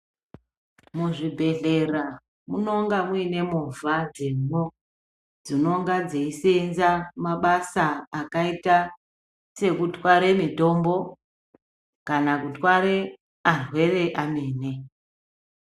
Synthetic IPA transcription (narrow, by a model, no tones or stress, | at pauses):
muʐibʱe̞ɮe̞ra | muno̞ŋɡamuine̞movad͡zeno | d͡zino̞ŋɡad͡zeisenzamaɓasaːkaita | se̞kutwaɾe̞mito̞mbo̞ | kanakutwaɾe̞ | arwe̞re̞ʔameːne